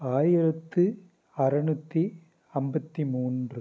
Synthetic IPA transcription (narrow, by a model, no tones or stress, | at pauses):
aːjɪɾɐt̪ːɯ | ɐɾɐɳut̪ːi | ɐmbɐt̪ːimuːndrɯ